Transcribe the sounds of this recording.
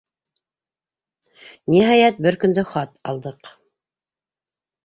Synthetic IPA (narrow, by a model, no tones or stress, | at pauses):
niɦɑjæt̪̚bɘɾkɵ̆nd̪ɘχɑt̪ɑ̰lˠd̪ɤq